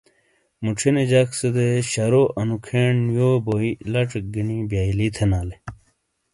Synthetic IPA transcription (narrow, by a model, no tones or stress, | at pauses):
muʈ͡ʂʰined͡ʑaksed̪eɕɐɾoʔɐnukʰeɳjoboilɐʈ͡ʂk̚ɡinibjaːilit̪ʰenaːle